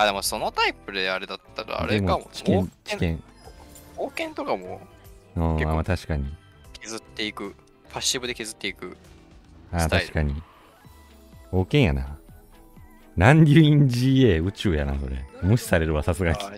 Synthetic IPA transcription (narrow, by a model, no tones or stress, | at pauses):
ad̪emo̞so̞not̪aipɯ̟d̪e̞aɾe̞d̪at̪ːaɾa̰a̰ɾd̪emoat͡ɕi̥kẽt͡ɕikẽ̞ŋ | oːkẽ̞nt̪o̞kamo̰ɯ̃ːamat̪aɕi̥kaɲ̟i | kezɨt̪ːe̞ikɯ̟ | ɸʰaɕːibɯ̟d̪e̞ke̞zɨt̪ːe̞ikɯ̟ | aːt̪aiɕi̥kaɲ̟i | o̞ːkẽ̞ɰ̃jana̰ | nãnd̪ʲjɨːĩɲd͡ʑiːeːɯ̟t͡ɕɨːjana̰ko̞ɾḛmɯ̟ɕi̥saɾe̞ɾɯ̟βasasɨɡakʲi